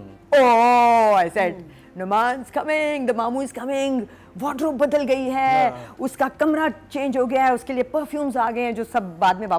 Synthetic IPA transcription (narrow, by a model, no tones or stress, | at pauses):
oːaɪsɛːɖ | nʊmaːnzkɐmɪŋɡd̪ɐmaːmuːzkɐmɪ̃ŋɡ | ʋɔːʈɾobɐd̪əlɡɐiɦɛːʊskakɐmɾat͡ʃẽːnd͡ʒɦoɡɐjaɦɛʊskeliepɐɾfjuːmzaːɡɐẽɦɛ̃d͡ʒoːsɐbːaːd̪mẽʋaː